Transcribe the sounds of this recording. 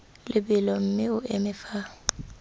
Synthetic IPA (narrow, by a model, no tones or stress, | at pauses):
lʔɪbɪlɔm̩mɪʊʔemɪfa